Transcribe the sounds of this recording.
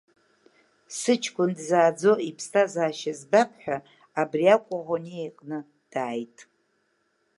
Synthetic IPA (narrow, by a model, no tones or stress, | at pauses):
sɨt͡ʃʰkʷʊndzaːd͡zo̞ipʰstʰazaːʃazbapʰħʷᶣaː | briakʷʼaʁʷoniejqʼnɨ | d̥aːjtʼ